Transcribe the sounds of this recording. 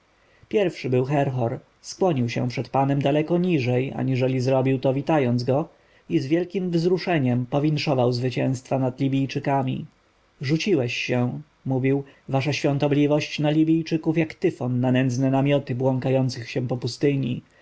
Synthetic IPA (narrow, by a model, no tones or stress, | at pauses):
pʲjɛɾfʂɘbɘwxɛɾxɔɾ | skwɔɲiwɕɛ̰̃pʂɛt̪panɛmd̪alɛkɔɲiʐɛja̰ɲiʐɛlʲizɾɔbʲiwt̪ɔvʲit̪ajɔnzɡɔ | izvʲjɛlkʲimvzɾuʂɛɲɛmpɔvʲintʂɔvawzvɘt͡ɕɛ̃w̃st̪fanad̪lʲibʲijt͡ʂɘkamʲḭ | ʐut͡ɕiwɛɕːɛ̃ | muvʲiwvaʂaɕfʲjɔ̃nt̪ɔblʲivɔɕt͡ɕnalʲibʲijt͡ʂɘkufjakt̪ɘfɔnːanɛnd̪znɛnamʲjɔt̪ɘbwɔŋkajɔnt̪sɘxɕɛ̃pɔpust̪ɘɲḭ